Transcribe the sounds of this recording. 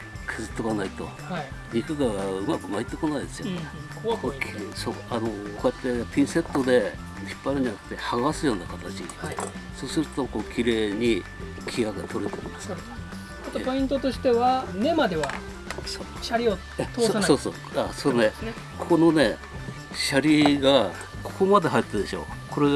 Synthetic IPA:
kʰɯzɨt̪ːokanait̪o̞̰ | aiɲikɯɡaɡaɯ̟makɯ̟mait̪ːe̞konaid̪e̞sɨjone | kokʲsoːano̞kʰojat̪ːe̞pʲĩɰ̃se̞t̪ːo̞d̪e̞ | ɕi̥pːaɾɯ̟ɲ̟iat̪ːe̞haɡaasɨjo̞ːnakat̪at͡ɕḭ | so̞ːsɨɾɯt̪o̞ko̞ːkʲiɾe̞ːɲ̟i | kʲʰiaɡet̪o̞ɾe̞t̪e̞̰ḭmas | at̪opo̞ĩnt̪o̞t̪o̞ɕi̥t̪e̞βane̞mad̪e̞βa | so | ɕaɾʲio | at̪osoːso̰ | asoɾonen | kʰono̞ne̞ | ɕaɾʲiɡa | kʰo̥ko̞mad̪e̞ɦait̪ːed̪e̞ɕo̞̰ːkʰo̞ɾe

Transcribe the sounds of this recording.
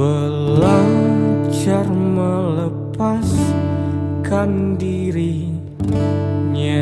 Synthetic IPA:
ə | laŋt͡ʃarmələ | pas | kandiɾi | ɲa

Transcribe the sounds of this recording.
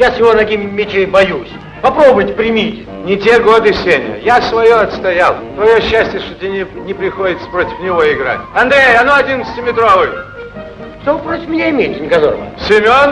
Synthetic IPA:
jasʲjɪvonɐɡʲimʲmʲːɪt͡ɕejbɐjusʲ | pɐpɾobʊjtʲɪ̥pɾʲɪmʲitʲɪ̥ | nʲɪtʲeɡo̞d̪ɨsʲenʲɪ̰ə̰jasvɐjoɐt̪st̪ɐjalˠt̪vɐjoɕːæsʲtʲjəʂt̪ot̪ʲenʲɪnʲɪpɾʲɪxodʲɪt̪sə̥pɾotʲɪ̥fnʲɪvo̞ɪɡɾa̰tʲɐnd̪ɾʲejɐnoɐdʲinət̪sə̥tʲɪmʲɪt̪ɾovɨj | ʂt̪oɨpɾotʲɪ̥fmʲɪnʲaɪmʲejtʲɪnʲɪkɐzorəmə̰sʲɪmʲon

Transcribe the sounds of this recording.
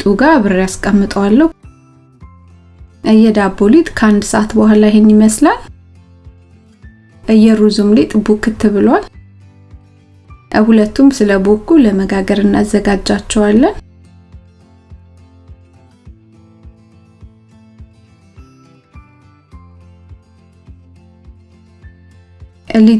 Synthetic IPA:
t̪ʼuɡaβɨɾjaskʼəmːɨt̪ʼəwalːə | ʔɨjːɛd̪abolit̪ʼkʰəand̪səʔat̪bəhalajhɛnːiməslal | ʔɨjːɛɾuzumlet̪ʼɨbukɨt̪ʰːɨβɨlwal | ʔhulət̪ːumsɨləbokːuləməɡaɡəɾɨnːazːəɡad͡ʒːat͡ʃːɛwalːən | ʔɨli

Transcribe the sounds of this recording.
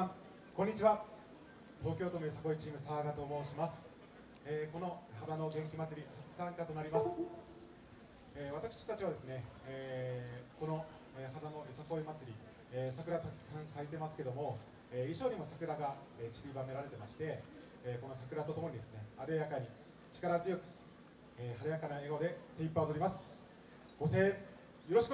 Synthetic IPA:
a | kõɲ̟ːit͡ɕiβa | t̪o̞ːkʲo̞ːt̪onoesako̞it͡ɕiːmɯ̟saːɡat̪o̞ːmo̞ːɕimasɨ̥ | eːko̞no̞had̪ano̞ɡẽ̞ŋkʲimat͡sɨɾʲihat͡sɨ̥sãŋkat̪o̞naɾʲimasɨ̥ | eːβ̞at̪akɯ̥ɕi̥t̪at͡ɕiβad̪e̞sɨne̞eː | ko̞no̞ | ehad̪ano̞esako̞imat͡sɨɾʲi | esakɯɾat̪akʲi̥sãsait̪̬e̞masɨ̥ke̞d̪o̞mo̞ | eːiɕo̞ːɲ̟imosakɯ̟ɾaɡa | et͡ɕi̥bʲibame̞ɾaɾe̞t̪e̞maɕi̥t̪e̞ː | ko̞no̞sakɯ̟ɾat̪o̞t̪o̞mo̞ɲ̟id̪e̞sɨne̞ad̪ejakaɲ̟i | t͡ɕi̥kaɾazɨjo̞kɯ̟̥ | eːhaɾajakanaeɡaod̪e̞seipːaod̪oɾʲimasɨ̥ | ɡ̥o̞se̞ː | jo̞ɾo̞ɕi̥k

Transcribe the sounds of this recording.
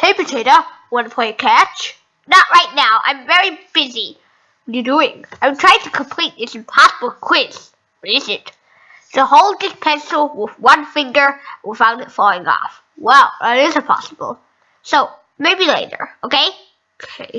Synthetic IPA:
tʰeɪpɨtʰeɪɾowɑ̃nəpʰaɪɨkʰæt͡ʃ | nəʔɹaɪʔⁿnaʊʔã̰ɪ̃ɱvɛɹib̥ɪzi | ənə˞duɪ̃ŋãɪ̃mtʰɹ̥aɪ̃tʰəkʰə̃m̩pʰl̥it̪̚ðɪtsɨ̃mpʰɑsəbl̩ˠkʰw̥ɪz̥ | ʌɾɪzɪt | səhoʊlˠd̪̚ðɪspʰɛ̃nsl̩ˠwɪðwʌ̃nfɪ̃ŋɡə̃˞wi̥fãʊ̃ndɨtfɔlˠɪ̃ŋɔ̰f | wɛlˠə̰ɾɪzɨ̃mpʰɑ̰səb̥ə̰lˠ | soʊ | meɪbilḛɪɾə̰˞oʊkʰeɪ | okʰeeɪ

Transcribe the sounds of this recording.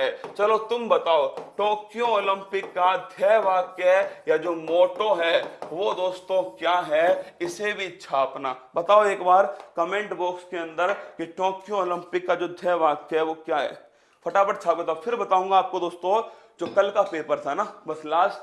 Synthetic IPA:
ɦɛːt͡ʃɐlot̪ʊmbɐt̪aːoʈoːkijooːlɪ̃mpɪkːad̪ʱjɛʋaːkkejad͡ʒoːmoːʈoɦɛʋod̪oːst̪õkjaːɦɛɪsebʱitːʃʰaɐpnabɐt̪aːoeːkbaːɾkɐmẽːɳʈbɔːkskeɐ̃nd̪əɾkeʈoːkijooːlɪ̃mpɪkːad͡ʒoːd̪ʱjɛʋaːkɛʋokjaːɦɛ̰ː | fɐʈaːpəɾt͡ʃʰaːpket̪afʰɪɾbɐt̪aːũːŋɡaːp̚kod̪oːst̪õ | d͡ʒoːkɐlkapeːpəɾt̪ʰanabɐslaːs

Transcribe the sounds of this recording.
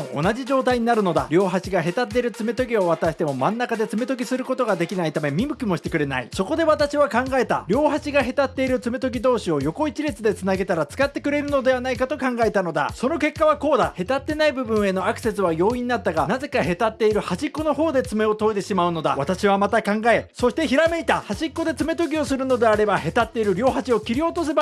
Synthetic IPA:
oo̰naʑiʑo̞ːt̪aiɲ̟inaɾɯ̟no̞d̪a̰ɾʲo̞ːɦaɕiɡaɦe̞t̪at̪ːe̞ɾɯ̟t͡sɨme̞t̪o̞ɡʲio̞βat̪aɕi̥t̪e̞mo̞mãnːakad̪e̞t͡sɨme̞t̪o̞ɡʲisɨɾɯ̟kot̪o̞ɡad̪e̞kʲinait̪ame̞mʲimɯ̟kʲimo̞ɕi̥t̪e̞kɯ̟ɾe̞na̰ḭso̞kod̪e̞βat̪aɕiβakãŋɡae̞t̪aɾʲo̞ːɦaɕiɡaɦe̞t̪at̪ːe̞iɾɯ̟t͡sɨme̞t̪o̞ɡʲid̪o̞ːɕio̞jo̞ko̞it͡ɕiɾʲit͡sɨd̪e̞t͡sɨnaɡe̞t̪aɾat͡sɨ̥kat̪ːe̞kɯ̟ɾe̞ɾɯ̟no̞d̪e̞βanaikat̪o̞kãŋɡae̞t̪ano̞d̪a̰so̞no̞ke̞kːaβako̞ːd̪ahe̞t̪at̪ːe̞naibɯ̟bɯ̟̃ɰ̃e̞no̞akɯ̟se̞sɨβajo̞ːiɲ̟iːnat̪ːaɡanaze̞kahe̞t̪at̪ːe̞iɾɯ̟haʑikːo̞no̞ɦo̞ːd̪e̞t͡sɨme̞o̞t̪o̞it̪e̞ɕimaɯ̟no̞d̪a̰βat̪aɕiβamat̪akãŋɡae̞so̞ɕi̥t̪e̞çiɾame̞it̪ahaʑikːo̞d̪e̞t͡sɨme̞t̪o̞ɡʲio̞sɨɾɯ̟no̞d̪e̞aɾe̞bahe̞t̪at̪ːe̞iɾɯ̟ɾʲo̞ːɦat͡ɕio̞kʲiɾʲio̞t̪o̞s̬e̞ba

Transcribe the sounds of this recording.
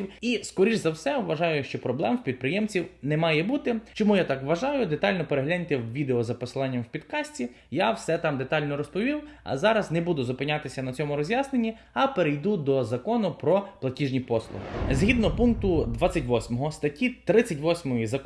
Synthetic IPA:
iwiskɔɾʲiʒzɐwsɛwʋɐʒɑjʊʃt͡ʃɔpɾɔblˠɛmwpʲid̪̚pɾɪjɛmt͡sʲiwnɛmɑjɛbut̪ɪt͡ʃɔmujat̪ɑkʋːɐʒɑjʊd̪et̪ɑlʲnɔpeɾeɦlʲanʲt̪ɛwʋʲid̪eɔzɐpɔslˠanʲːɐmwpʲid̪kɑsʲtʲi | jawsɛt̪ɑmd̪et̪ɑlʲnɔɾɔspɔʋʲiwɐ̰zɑɾɐznebud̪ʊzʊpɪnʲat̪ɪsʲɐnɐt͡sʲɔmʊɾɔzʲjasnenʲːi | ɐpeɾejd̪ud̪ɔzɐkɔnʊpɾɔplˠɐtʲiʒnʲipɔslˠʊ̰ɦzɦid̪nɔpunk̚t̪ʊd̪ʋat͡sʲːɐtʲʋɔsʲmɔɦɔst̪ɐtʲit̪ɾɪt͡sʲːɐtʲʋɔsʲmɔjizɐk

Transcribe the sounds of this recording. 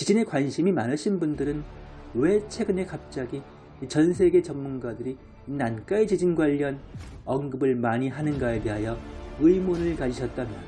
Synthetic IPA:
t͡ɕid͡ʑine̞kwanɕʰimimanaɕʰinbundɯɾɯn | we̞t͡ɕʰe̞ɡɯne̞kap̚t͡ɕ͈aɡiː | t͡ɕʌnsʰe̞ɡe̞t͡ɕʌmmːunɡadɯɾi | nank͈aet͡ɕid͡ʑinɡwaʎːʌnʌŋɡɯbɯɭmaɲiɦanɯnɡaete̞ɦajʌɯimonɯɭkad͡ʑiɕʰʌt̚t͈amjʌ

